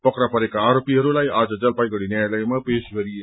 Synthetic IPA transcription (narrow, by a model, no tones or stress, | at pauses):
pʌkɾapʌɾekaːɾopiɦʌɾulajad͡zʌd͡zʌlpajɡʌɽinjajləjmãpesɡʱeɾie